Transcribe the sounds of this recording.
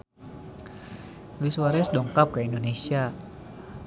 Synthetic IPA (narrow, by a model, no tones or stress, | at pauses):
liswaɾɛsdɔŋkap̚kaindonesia